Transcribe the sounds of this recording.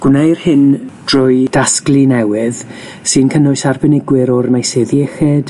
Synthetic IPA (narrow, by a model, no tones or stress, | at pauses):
ɡ̥wnejrhɪnd̥rʊjd̥asklˠinɛwɪð | sɨnkʰənʊɨsarbɛnɪɡwɪɾɔrmajseðiɛxed̥